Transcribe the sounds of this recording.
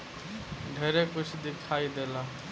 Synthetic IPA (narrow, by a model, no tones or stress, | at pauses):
ɖʱeːɾekut͡ʃʰd̪ikʰaid̪ela